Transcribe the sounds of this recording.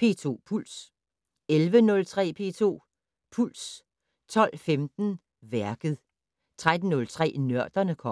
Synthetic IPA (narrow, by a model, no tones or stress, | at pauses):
pʰe̝ːt͡sʰo̝̰ːpʰul̰s | elʋənɔ̽lt͡sʰʁɛ̰ːpʰe̝̰ːt͡sʰo̝̰ː | pʰul̰s | t͡sʰɒ̽l̰femd̥n̩ | ʋæɐɡ̥ð̞̩ˠ | t͡sʰʁad̥n̩ːɔ̽lt͡sʰʁɛ̰ːnɶɐd̥ɐnəkʰɒ